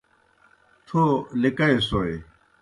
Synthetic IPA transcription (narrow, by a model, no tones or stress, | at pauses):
t̪ʰolɪkɐesoːe